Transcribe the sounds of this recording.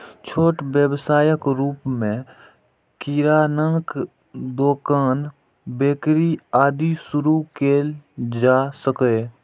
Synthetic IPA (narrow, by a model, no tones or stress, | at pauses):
t͡ʃʰoːʈbjəbsaːjəkɾuːpmẽ | kiɾaːnəŋk | d̪oːkaːn | beːkɾiaːd̪isʊɾukeːld͡ʒaːsəkeː